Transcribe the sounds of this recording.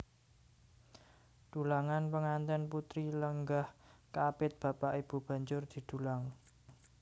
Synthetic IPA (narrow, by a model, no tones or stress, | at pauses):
d̪̥ṳlaŋanpəŋant̪ɛnput̪ɾiləŋɡahkapɪt̪̚b̥a̤paʔib̥ṳb̥ä̤ɲd͡ʒʊrd̪̥i̤d̪̥ṳlaŋ